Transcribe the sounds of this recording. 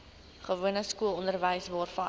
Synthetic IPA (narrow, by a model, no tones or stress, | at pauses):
χəvuənəskuəlˠɔndərvəjsvɑːrfɐn